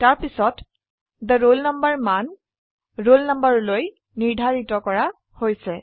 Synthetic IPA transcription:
taɹpisɔt | dəɹolnɔmbəɹman | ɹolnɔmbəɹloj | niɹdʱaɹitɔkɔɹa | hojsɛ

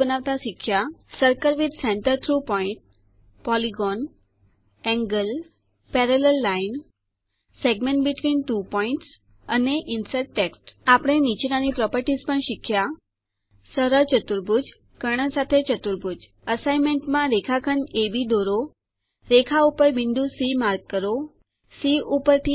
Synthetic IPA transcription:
ənaʋt̪aʃɪkʃasəɾkəɾʋid̪sɛ̃ɳʈəɾt̪ʰɾupɔĩɳʈ̚ | pɔliɡɔn | ɛ̃ŋɡəl | pɛɾelelːain | seɡmẽɳʈbiʈʋinʈupɔĩɳʈs | əneʔɪnsəɾʈʈeksʈapəɽ̃enit͡ʃnanipɾɔpəɾʈizpəɳʃɪkʰja | səɾəɾt͡ʃət̪uɾbʱud͡ʒ | kəɽ̃əsat̪ʰet͡ʃət̪uɾbʱud͡ʒ | əsaimeɳʈmãɾekʰakʰənebid̪oɾo | ɾekʰaupəɾʋind̪usimaɾɡ̚kəɾo | siʔupəɾt̪ʰi

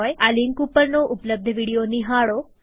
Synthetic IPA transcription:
ɔjaliŋkupəɾnoʔupələb̚d̪ʱəʋiɽijoniɦaɭo

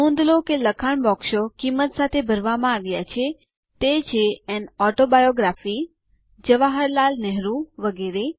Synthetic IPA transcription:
õnd̪lokeləkʰaɳbɔkʃokimːət̪sat̪ʰebʱəɾʋamãaʋjat͡ʃʰe | t̪et͡ʃʰeɛnɔʈobajoɡɾafi | d͡ʒəʋaɦəɾlalnɛɦɾũʋəɡeɾe

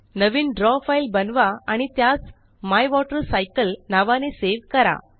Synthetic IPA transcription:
nəʋiːnɖɾɔfajlbənʋaaɽ̃it̪jat͡s | majʋɔʈəɾsajkəlnaʋaneseʋkəɾa̰

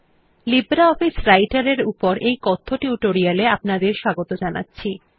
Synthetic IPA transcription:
libɾaɔfisɾajʈaɾeɾupoɾejkɔt̪ʰːoʈiuʈoɾijaleapnad̪eɾʃaɡot̪od͡ʑana̰tːɕʰi

